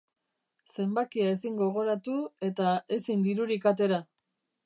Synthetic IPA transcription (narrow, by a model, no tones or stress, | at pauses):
se̞mbakiae̞siŋɡo̞ɣ̞o̞ɾat̪ue̞t̪ae̞sind̪iɾuɾikat̪e̞ɾa